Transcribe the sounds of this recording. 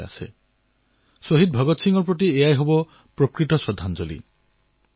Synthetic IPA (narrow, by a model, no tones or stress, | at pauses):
a̰sḛ | soɦid̪̚bʱɔɡɔt̪siŋɡɔɾp̬ɾɔt̪̬iejajɦobɔ | pɾokɾitɔsɔd̪ʱːand͡ʒɔlḭ